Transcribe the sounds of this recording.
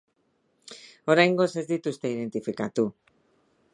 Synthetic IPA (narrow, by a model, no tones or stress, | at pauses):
o̞ɾajŋɡo̞se̞zd̪it̪ust̪e̞ið̞e̞nt̪ifikat̪u